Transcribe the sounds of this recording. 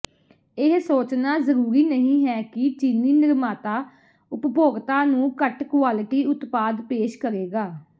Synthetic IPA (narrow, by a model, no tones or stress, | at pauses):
ɪɦsoːt͡ʃnaːzəɾuːɾiːnəɦĩːɦɛːkɪt͡ʃɪniːnɪɾmaːt̪aː | ʊpboːɡt̪ãːnũːkəʈkʊʋaːlʈiːʊt̪paːd̪peːʃkəɾeːɡaː